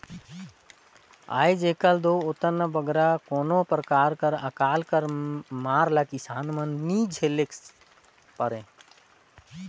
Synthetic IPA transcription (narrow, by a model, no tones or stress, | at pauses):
a̰jd͡ʒekəld̪oot̪ənːəbəɡɾakonopɾəkaɾkəɾə̰kalkəɾmaɾləkisanmənːid͡ʒʱelek | pəɾẽ